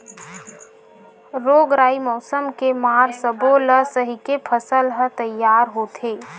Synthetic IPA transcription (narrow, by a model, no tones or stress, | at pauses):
ɾoːɡɾaːimɔːsəmkemaːɾsəboləsəɦikepʰəsəlɦət̪ɐjːaːɾɦoːt̪ʰeː